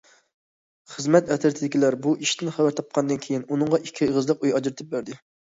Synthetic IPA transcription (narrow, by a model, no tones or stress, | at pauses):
χəzmɛt̪ɛt̪ʰɪɾt̪ʰɪd̪ɪkʲilæɾbuʔiʃt̪ʰɪnχæwæɾt̪ʰɑp̚qʰɑnd̪ɨnkʲʰejinunɨŋʁɑʔikʲʰːiʁəzlˠəqujɑd͡ʒɾɨt̪ʰɨp̚bæɾd̪ɪ